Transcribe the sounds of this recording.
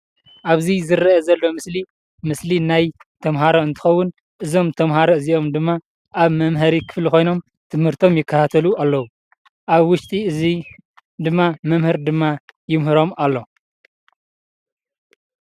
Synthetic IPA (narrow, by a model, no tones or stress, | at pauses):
ʔaβzizɨɾɐɐzɐlːo̞mɨsli | mɨslinajt̪ʰɐmɦaɾoɨnt̪ʰɨ̥xɐwːʊn | ʔɨzo̞mt̪ʰɐmɦaɾoɨziʔo̞md̪ɨmːa | ʔaβmɐmɦɐɾikʰɨ̥fliko̞jno̞m | t̪ʰɨmhɨɾt̪ʰo̞mjɪkʰːɐt̪ʰat̪ʰɐlualːɐwu | ʔaβwʊʃt̪ʼiɨzi | d̪ɨmːamɐmhɨɾd̪ɨmːajɪmɦɨɾo̞malːo̞